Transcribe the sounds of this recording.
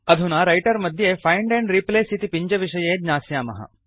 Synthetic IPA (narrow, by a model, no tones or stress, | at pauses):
ɐd̪ʱunaːɾɐjʈɐɾmɐd̪ʱjeːfʰɐjɳɖẽɳɖɾipleːsit̪ipiɲd͡ʒɐʋiʂɐjeːd̪ɲaːsjaːmɐ̰ɦɐ̰